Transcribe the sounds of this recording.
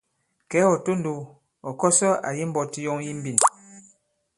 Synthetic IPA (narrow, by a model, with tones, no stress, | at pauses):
kɛ˨˦ɔ˨to˦n˨do˨ | ɔ˨kɔ˦sɔ˦a̰˨ji˦m̩˦bɔ˦ti˦jɔ˦ŋji˦m̩˦bi˦˨n